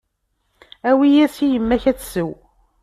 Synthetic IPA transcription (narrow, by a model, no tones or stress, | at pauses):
æwijæsijəmːæçæt͡sːsəw